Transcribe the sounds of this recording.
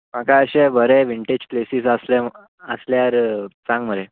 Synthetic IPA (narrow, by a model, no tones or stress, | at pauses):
makaəɕebəɾeʋiɳʈed͡ʑplesiːsəslɛ | əsljaɾt͡sãŋɡməɾe